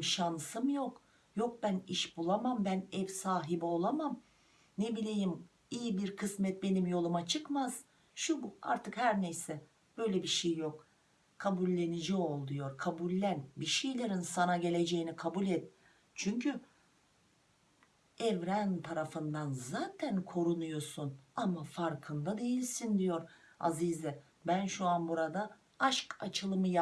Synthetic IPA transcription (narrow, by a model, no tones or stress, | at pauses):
mʃansɯmjok | jo̞k̚bæniʃbulˠamambænɛvsaːɦibio̞lˠamam | nebilʲejim | ijibiɾkʰɯsmɛt̪̚be̞nimjo̞lˠumat͡ʃʰɯkmaz̥ | ʃuba̰ɾt̪ʰɯkhæɾnejsɛ | b̥ø̞jlʲɛbiʃejːok | kʰabulʲːe̞nid͡ʒio̞lˠd̪ujo̞ɾkʰabulʲːænbiʃejlʲe̞ɾinsanaɟe̞lʲe̞d͡ʒejinikʰabulʲɛt̪̚ | t͡ʃʰyɲcʰy | ɛvɾænt̪ʰaɾafɯnd̪anzaːt̪ʰænkʰo̞ɾunujoɾsunamafaɾkʰɯnd̪ad̪e̞jilʲsind̪ijo̞ɾa̰zizɛ | bænʃuanbuɾad̪a | aʃka̰t͡ʃʰɯlˠɯmɯja